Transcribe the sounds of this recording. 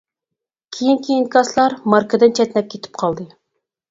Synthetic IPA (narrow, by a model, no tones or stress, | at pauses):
kʲʰejinkʲʰejinkʰɑslˠɑɾmɑɾkəd̪ɨnt͡ʃʰɛt̪nɛp̚kʲʰet̪ʰɪ̥p̚qʰɑlˠd̪ɨ